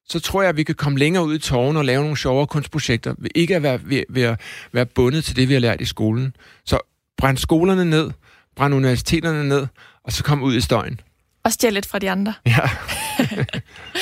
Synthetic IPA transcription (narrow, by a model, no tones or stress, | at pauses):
sɒ̽t͡sʰʁo̝ɐ̰jɑ̈ʋikʰækʰɒ̽məleŋɐːuð̞̰ˠit͡sʰɒːʊn̩ɒ̽lɛːʊno̝ːn̩ɕɒʊɐːkʰɔ̽n̰sd̥pʰʁo̝ɕeɡ̥̚d̥ɐʋe̝ʔe̝ɡ̥əæʋæɐʋeʋeæʋæːɐb̥ɔ̽nð̞̩ˠt͡sʰe̝ld̥e̝ʋihɑlæɐ̰d̥isɡ̥o̝ːln̩ | sɒ̽ | b̥ʁan̰̥sɡ̥o̝ːlɐnəne̝ð̰ˠ | b̥ʁanuniʋæɐsi̥t͡sʰe̝̰ːd̥ɐnəne̝ð̞̰ˠ | ɒ̽sɒ̽kʰɒ̽m̰uð̰ˠisd̥ɒ̽ɪ̰n̩ | ɒ̽sd̥jeled̥fʁɑ̈d̥iɑ̈nd̥ʁɐjæ